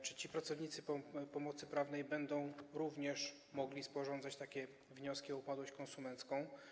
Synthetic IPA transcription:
t͡ʂɘ̥t͡ɕipɾat̪sɔvɲit̪sɘpɔpɔmɔt̪sɘpɾavnɛjbɛnd̪ɔ̃w̃ɾuvɲɛʂ | mɔɡlʲispɔʐɔnd̪zat͡ɕt̪akʲɛ | vɲɔskʲiɔupad̪wɔɕt͡ɕkɔ̃nsumɛnt̪skɔ̃w̃

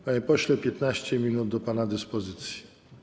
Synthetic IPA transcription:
apɔɕlɛpʲjɛt̪naɕt͡ɕɛmʲinud̪̚d̪ɔpanad̪ɘspɔzɘt̪sʲji̥

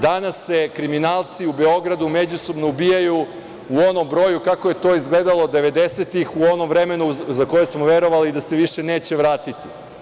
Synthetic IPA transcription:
d̪anasːe̞kɾiminaːlˠt̪siube̞o̞ɡɾad̪ume̞d͡ʑuso̞bno̞ubiːjaju | uo̞no̞mbɾo̞ːjukakoje̞t̪o̞izɡled̪alod̪e̞ʋe̞d̪e̞set̪ixuo̞no̞mvɾe̞me̞nuzako̞jesmo̞ʋe̞ɾo̞ʋalid̪aseʋiʃe̞ne̞ːt͡ɕe̞ʋɾaːt̪it̪i

